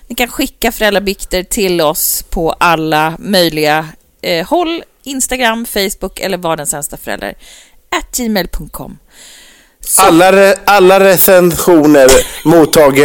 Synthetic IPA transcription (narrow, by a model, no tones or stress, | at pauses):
nɪkʰanɧɪkːafœɾɛlɾabʏkt̪əɾʈʰɪlɔspʰɔʔalːamœjlɪɡa | hɔlː | ɪnst̪aɡɾamːfɛjsbʊkːɛ̰lːəɾvɑːɖɛnsɛnst̪afœɾɛ̰lɾa̰ɾ | ʔæt̪̚d͡ʒiːmejlpʰɵŋt̪̚kʰɔ̰mː | aaalːaɾɛsɛnɧuːnəɾmuːt̪ʰːɑːɡə